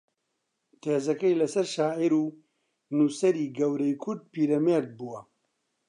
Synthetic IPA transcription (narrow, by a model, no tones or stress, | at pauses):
t̪ʰeːzɐkɐjlɐsɐɾʃaːʔiɾuː | nuːsɐɾiːɡɐwɾɐjkʰʊɾd̪̚piːɾɛmeːɾd̪̚buwɐ